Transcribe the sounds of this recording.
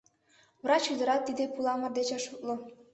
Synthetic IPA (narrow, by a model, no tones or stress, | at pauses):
βrɑt͡ɕyd̪ə̆ɾɑt̪ːid̪epulɑmə̆rd̪et͡ɕɑʃuklŏ